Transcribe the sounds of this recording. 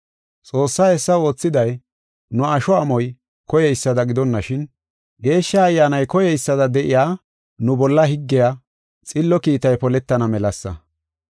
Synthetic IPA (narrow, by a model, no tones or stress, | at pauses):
t͡sʼo̞ːsːaːɛsːɐo̞ːt͡sːɪd̪ɐj | nʊɐʃɔɐmɔj | kɔjɛjsːɐd̪ɐɡɪd̪ɔnːɐʃɪn | ɡe̞ːʃːɐːjːaːnɐjkɔjɛjsːɐd̪ɐd̪ɛʔɪjaː | nʊbɔlːɐɦɪɡːɪja | t͡sʼɪlːɔkiːt̪ɐjpɔlɛt̪ːɐnɐmɛlɐsːɐ̰